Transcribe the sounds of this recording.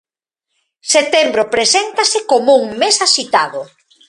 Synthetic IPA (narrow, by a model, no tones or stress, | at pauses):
set̪embɾopɾesent̪asɪkomouŋmesasit̪aðʊ